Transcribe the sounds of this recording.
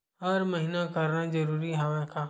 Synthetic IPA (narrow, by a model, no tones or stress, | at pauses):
ɦɐɾməɦɪnakɐɾnad͡ʒɐɾuːɾiɦaʋẽkʰaː